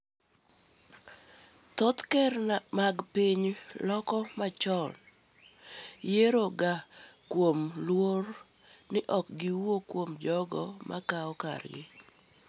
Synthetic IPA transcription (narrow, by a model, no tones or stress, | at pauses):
t̪ɔt̪kɛɾmaɡpiɲlɔkɔmat͡ʃɔn | jeɾoɡakwomlwor | nɪʔɔk̚ɡɪwokwomd͡ʒɔɡɔmʔa̰kaɔka̰ɾjɪ̰